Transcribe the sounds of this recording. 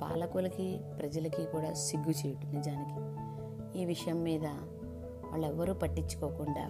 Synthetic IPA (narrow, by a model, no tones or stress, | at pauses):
pa̰ːlɐkulɐkipɾɐd͡ʒɐlɐkikuːɽaːsiɡːut͡ʃeːjuʈund̪id͡ʒaːniki̥ | iːʋiʂɐjɐmːiːd̪ɐ | ʋa̰ːɭːɛʋːɐɾuːpɐʈːit͡ʃːu̥koːkuɳɖa̰ː